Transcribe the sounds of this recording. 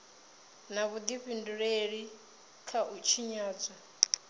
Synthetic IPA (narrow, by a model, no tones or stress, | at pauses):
naβud̪iɸinduɺeɺi | kʰaʔut͡ʃʰiɲaːd͡za